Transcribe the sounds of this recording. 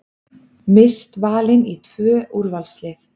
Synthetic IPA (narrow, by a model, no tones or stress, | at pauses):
mɪst̪vaːlɪnit̪ʰvœːʔuɾvalslɪθ